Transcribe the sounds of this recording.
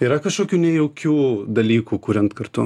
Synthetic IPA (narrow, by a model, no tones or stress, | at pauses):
iːɾɐkɐʃkoːkʲuːnʲɛjɛʊkʲuːd̪ɐlʲiːkuːkuːɾʲɛnt̪kɐrt̪ʊ